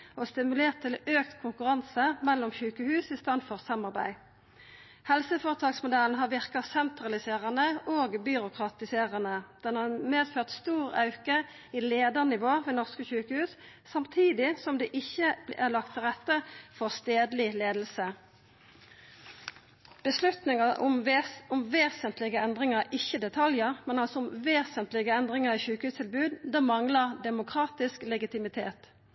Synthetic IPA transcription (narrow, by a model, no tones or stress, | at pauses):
oːst̪ɪmʉleːʁt̪ʰːɪløːk̚t̪kʰʊŋkʉʁɑnsəmɛlːɔmçʉːkəhʉːsɪst̪ɑnfɔʁsɑmɑʁbæ̰ɪ | hɛlsəfoːʁət̪ʰɑːksmʊd̪æln̩ɦɑːʁʋɪʁkɑsɛnt̪ʁɑlɪseːʁənəʔoːɡbʏʁʊkʰʁɑt̪ɪseːʁənəd̪̥ɛnhɑʁmeːd̪føːʁt̪st̪uːʁɑ̰ʉkə | iːleːd̪əʁnɪʋoːʋeːnɔʁskəçʉːkəhʉːsː | ɑmt̪ʰiːd̪ɪsɔmd̪ɛːʔɪçːəʔælɑk̚t̪ʰːɪlʁɛt̪ːəfɔʁst̪eːd̪lɪleːd̪l̩sə | b̥əslʉt̪nɪŋɑʊmʊmʋeːsənt̪lɪɡəɛnd̪ʁɪŋəʁɪçːəd̪ɛt̪ʰɑljəʁmɛnɑlsɔʊmʋeːsənt̪lɪɡəɛnd̪ʁɪŋəʁiːçʉːkəhʉːst̪ʰɪlbʉːd̪d̪ɛmɑŋləʁd̪ɛmʊkʰʁɑːt̪ɪsklɛɡɪt̪ɪmɪt̪ʰeːt̪